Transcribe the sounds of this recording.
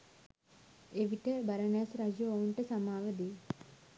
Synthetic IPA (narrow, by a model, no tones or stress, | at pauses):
eʋiʈəbɐɾɐnjasɾɐd͡ʒuouɳʈəsɐmaːʋəd̪e